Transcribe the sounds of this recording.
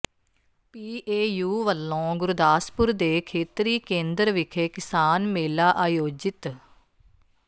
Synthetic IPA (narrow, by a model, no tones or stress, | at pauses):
piːʔeːjuːʋəlːõːɡʊɾd̪aːspʊɾd̪eːkʰeːt̪ɾiːkẽːnd̪ɾʋɪkʰeːkɪsaːnmeːlaːʔaːjoːd͡ʒɪt̪